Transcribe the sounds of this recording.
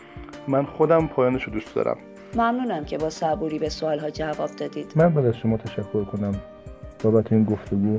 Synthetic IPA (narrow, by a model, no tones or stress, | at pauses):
mænxod̪æmpʰɒːjɒːneʃod̪uːst̪̚d̪ɒ̰ːɾæ̰m | mæmnuːnæmcʰe̞bɒːsæbuːɾiːbe̞soɒːlɦɒːd͡ʒævɒːb̚d̪ɒːd̪iːd̪̥mænbæːd̪æzʃomɒːt̪ʰæʃækʰːoɾkʰonæm | b̥ɒːbæt̪ʰeiːnɡoft̪ʰeɡuː